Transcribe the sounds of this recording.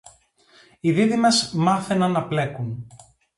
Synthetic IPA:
iðiðime̞zmɐθenɐnːɐple̞kun

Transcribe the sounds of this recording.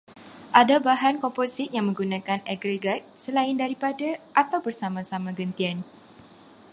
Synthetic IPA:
ʔadabaɦankɔmposɪt̪̚jaŋmə̃ŋɡunãkanaɡɾeɡat̪̚səlaɪndaɾipadaʔat̪awbərsamasamaɡənt̪ian

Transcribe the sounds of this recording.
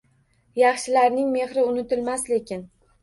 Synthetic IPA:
jɑχʃɪlaɾnɪŋme̞χɾɪʊnɪt̪ɪlmasle̞kʲɪn

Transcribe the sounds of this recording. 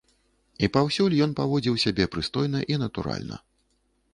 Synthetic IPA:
ipawsʲulʲjɔnpavɔd͡zʲiwsʲabʲɛpɾɨst̪ɔjnɐʔinɐt̪uɾa̰lʲnɐ̰

